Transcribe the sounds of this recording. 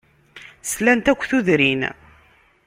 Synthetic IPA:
slænt̪ækʷːθuðɾin

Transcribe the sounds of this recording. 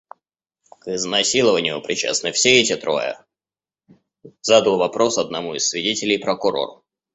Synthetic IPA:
kɪznɐsʲilˠəvənʲɪjʊpɾʲɪt͡ɕa̰snɨfsʲeɛtʲɪt̪ɾo̰jə̰ | zad̪əlˠvɐpɾo̞sɐd̪̚nɐmuɪsʲːvʲɪdʲetʲɪlʲɪjpɾəkʊɾo̞̰ɾʊ̰

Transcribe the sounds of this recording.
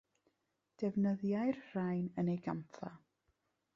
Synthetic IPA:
d̥ɛvnəðjajrr̥ajnənejɡanθʰa

